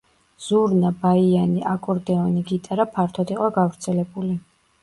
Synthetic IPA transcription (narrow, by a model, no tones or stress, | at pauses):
z̥uɾnabaianiʔakʼɔɾd̪ɛɔniɡit̪ʼaɾapʰaɾt̪ʰɔd̪iqʼɔɡavɾt̪sʰɛlɛbuli